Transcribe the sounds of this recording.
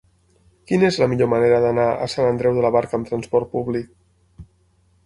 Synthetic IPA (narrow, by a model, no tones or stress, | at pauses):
kinezləmiʎoməneɾəðənaə̰sanənd̪ɾɛwðələβaɾkəːmt̪ɾənspɔɾt̪̚puβlik̚